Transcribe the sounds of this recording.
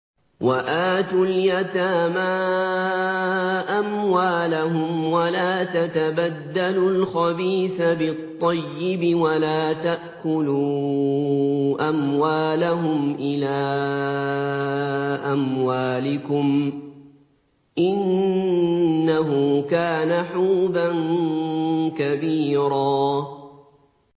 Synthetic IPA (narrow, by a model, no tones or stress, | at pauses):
waʔaːt̪uːljat̪aːma | ʔamwaːlaɦʊmwalaːt̪at̪abad̪ːalʊlxɑbiːθabɪt̪ˤːɑjːɪbɪwalaːt̪aʔkʊluː | ʔamwaːlaɦʊmʔɪlaː | ʔamwaːlɪkʊm | ʔɪn | aɦʊkaːnaħuːban | kabiːɾɑː